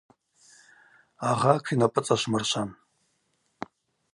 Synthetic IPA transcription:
aʁakʷʰinapʼɨt͡sʼaʃʷmɨrʃʷʰan

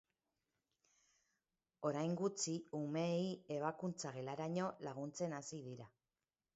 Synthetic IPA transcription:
o̞ɾajŋɡut͡siume̞ːie̞β̞akunt͡saɣe̞laɾaɲo̞laɣ̞unt͡se̞nasiðiɾa

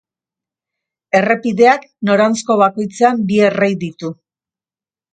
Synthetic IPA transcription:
e̞re̞piðe̞akno̞ɾant͡sko̞βako̞jt͡seambierejðit̪u

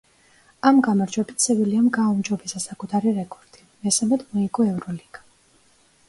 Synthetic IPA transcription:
amɡamaɾd͡ʒwɛbit̪ʰsɛviliɔmɡaumd͡ʒɔbisasakʼut̪ʰaɾiɾɛkʰʼɔɾd̪̥i | mɛsamɛt̪ʰmɔikʼɔɛvɾɔliɡ̥ḁ

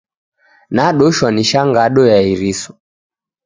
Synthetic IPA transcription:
naɗɔʃwaniʃaŋɡaɗɔjaiɾisɔ̥

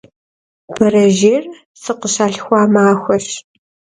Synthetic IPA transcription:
b̥ʰɐɾɐʒeːr | sɨqəɕaːɬxʷɑːmaːxʷɐɕ

